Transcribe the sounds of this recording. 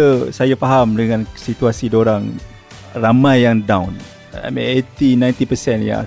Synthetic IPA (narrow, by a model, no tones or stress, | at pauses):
əsajafaɦamdəŋãnsit̪uasidoɾaŋ | ramãjːaŋdãwn | a̰mḭnet̪inãjnt̪ipəsɛnja̰